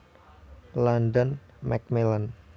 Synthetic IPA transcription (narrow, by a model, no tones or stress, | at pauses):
landɔn | mɛk̚milan